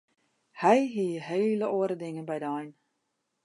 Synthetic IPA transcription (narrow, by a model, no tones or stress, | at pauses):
hɛjɦiəɦeːləoəɾədɪŋənbɛjdəɔjn